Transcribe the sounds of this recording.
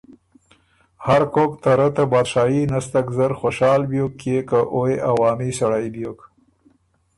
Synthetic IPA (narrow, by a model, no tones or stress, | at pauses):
haɾkokt̪aɾət̪abɑːd̪ʃɑːjinast̪akzəɾxoʃɑːlbjokːjekaʔoeʔawɑːmisaɽajbjok